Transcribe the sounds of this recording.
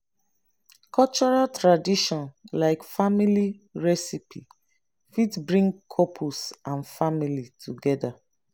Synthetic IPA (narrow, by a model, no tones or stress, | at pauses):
kʰɔlt͡ʃɔɹaltɹadiʃɔ̃nlaɪkfamiliɹɛsipʰḭ | fitbɹĩŋɡkʰɔpʰusãnfamilitʰuɡɛda